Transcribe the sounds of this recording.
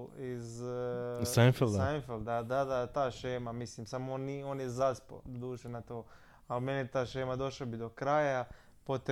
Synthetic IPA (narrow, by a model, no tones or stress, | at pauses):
iz | sanfeld̪anfeld̪d̪ad̪ad̪at̪aːʃeːmamisliːmsamoonioːnjezaspo̰d̪uːʃenat̪oː | almeniet̪aːʃeːmad̪o̞ʃlabid̪o̞kɾaːja | pot̪